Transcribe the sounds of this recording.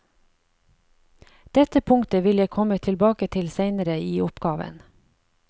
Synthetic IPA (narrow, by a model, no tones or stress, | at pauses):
d̪̥ɛt̪əpʰʊŋt̪əʋɪljækʰɔmət̪ʰɪlbɑːkət̪ʰɪlseɪnəɾəiːʊpɡ̥ɑːʋə̰n